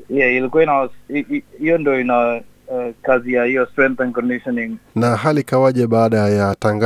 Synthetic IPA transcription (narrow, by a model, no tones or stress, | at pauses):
jailikuaina | ijɔndɔina | kazijaijɔstɾɛ̃ŋkθɛ̃nkɔndiʃɔniŋnaɦalikawaʄɛɓaːɗajataŋɡa